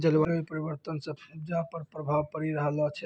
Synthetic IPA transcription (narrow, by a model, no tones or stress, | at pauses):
d͡ʒəlʋalipəɾibəɾt̪ənsəbpʰib̚d͡ʒapəɾpɾəbʱabkəɾiɾəɦəlat͡ʃʰɛ